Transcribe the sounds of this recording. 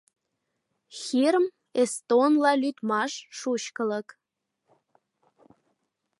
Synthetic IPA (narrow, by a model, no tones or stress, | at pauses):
xiɾəm | est̪onlɑlyt̪mɑʃʃut͡ɕkələ̆k